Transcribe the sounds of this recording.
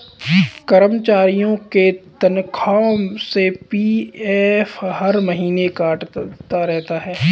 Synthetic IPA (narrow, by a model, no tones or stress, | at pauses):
kɐɾəmt͡ʃaːɾijõket̪ɐnkʰaːmsepiːeːfɦɐɾmɐɦiːnekaːʈt̪aɾɛɦt̪aɦɛː